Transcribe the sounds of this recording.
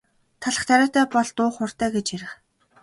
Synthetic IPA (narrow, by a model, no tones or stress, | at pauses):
t̪ʰaɮə̆χt̪ʰaɾʲaːt̪æːpɔɮt̪ʊːχʊr̥t̪æːɡet͡ɕiɾɘ̆χ